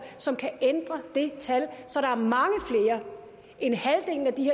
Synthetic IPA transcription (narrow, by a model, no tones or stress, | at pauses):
sɒ̽mkʰæend̥ʁɐd̥e̝t͡sʰælsɒ̽ɾɑ̈æɐmɑ̈ŋəfle̝ːɐ | ʔe̝nhæld̥e̝ŋ̰n̩æd̥iɦḛ